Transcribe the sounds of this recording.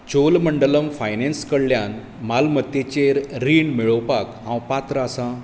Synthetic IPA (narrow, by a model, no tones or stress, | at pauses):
t͡ɕolməɳɖələmfajnenskəɽljan | malmət̪jet͡ɕeɾɾiɳmiɭəwpakɦãwpat̪ɾəasã